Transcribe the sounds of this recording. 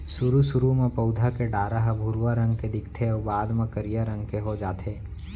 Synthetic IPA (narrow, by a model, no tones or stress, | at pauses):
sʊɾusʊɾumẽpəʊd̪ʱakeɖaːɾaɦbʱʊɾwaɾə̃ŋɡ̚ked̪ɪkt̪ʰeɔːbaːd̪mãkəɾijaɾə̃ŋɡkeɦod͡ʒaːt̪ʰeː